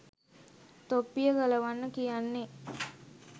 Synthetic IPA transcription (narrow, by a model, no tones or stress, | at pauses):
t̪opːijəɡɐlɐʋanːəkijanːe